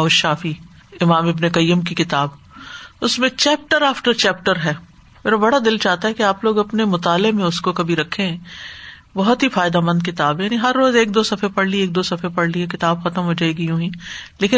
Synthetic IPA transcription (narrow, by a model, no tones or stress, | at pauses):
ɐʊʃaːfi | ɪmaːmɪbnekɐjːʊmkikɪt̪aːb | ʊsmẽt͡ʃɛːp̚ʈəɾaːfʈəɾt͡ʃɛːp̚ʈəɾɦɛː | meːɾabɐɽad̪ɪlt͡ʃaːɦt̪aɦɛkeaːploːɡɐpnemʊt̪aːlɪmẽʊskokɐbʱiɾɐkʰːẽɦɛ̃ | bɐɦɔt̪ɦifaːjɪd̪amɐ̃nd̪̚kɪt̪aːbɛjaːniɦɐɾːoːzeːk̚d̪oːsɐfʰepɐɽ̤lieːk̚d̪oːsɐfʰepɐɽ̤liekɪt̪aːbxɐt̪əmɦoːd͡ʒaːeɡijũːɦĩːleːkɪ